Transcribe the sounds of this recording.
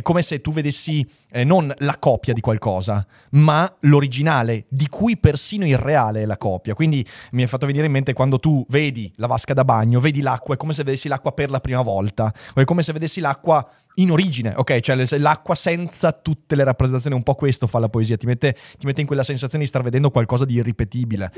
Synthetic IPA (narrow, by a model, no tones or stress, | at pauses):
ɛkːomeset̪ːuved̪esːi | nonlakɔpjad̪ikwalkɔːza | maloɾid͡ʒinaːled̪ikʰujpersiːnoireaːleɛlakɔːpjakwind̪imiɛfat̪ːoveniːɾeimːent̪ekwand̪ot̪uveːd̪ilavaskad̪abaɲːoveːd̪ilakːwaɛkːomes̬eved̪esːilakːwaperlapɾiːmavɔlt̪aoɛkːomesevːed̪esːilakːwa | inoɾiːd͡ʒineʔo̰kːɛjt͡ʃoɛsɛlakːwasɛnt̪sat̪ut̪ːeleɾapːɾezent̪ːjoniumpɔkːwest̪ofalːapoeziːat̪imet̪ːet̪imet̪ːeiŋkwelasensat̪sjoned̪st̪arved̪ɛnd̪okwalkɔːzad̪iːrːipet̪iːbile